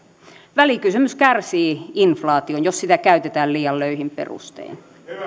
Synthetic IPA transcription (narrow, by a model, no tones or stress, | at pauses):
ʋælikysymyskærsiːinflɑːt̪ionjossit̪ækæyt̪et̪æːlliːɑlløihimpḛrṵst̪ḛːn